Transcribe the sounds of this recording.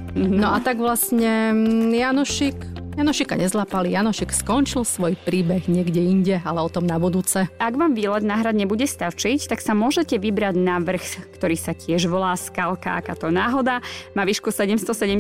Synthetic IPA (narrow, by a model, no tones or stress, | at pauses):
m̩ɦnɔat̪aɡʋlasɲɛjanɔʃikjanɔʃika̰ɲɛzlapalijanɔʃikskɔnt͡ʃilsʋɔjpɾiːbɛɣɲɪɛɡɟɛiɲɟɛalɛɔt̪ɔmnabud̪uːt͡sɛʔaɡʋaːmʋiːlɛd̪naːɦɾad̪ɲɛbuɟɛst̪at͡ʃict̪aksamʊɔʒɛcɛʋibɾaɟnaʋr̩xkt̪ɔɾiːsacɪɛʒʋɔlaːskalka̰ʔa̰kaːt̪ɔnaːɦɔd̪amaʋiːʃkusɛɟɛmst̪ɔsɛɟɛm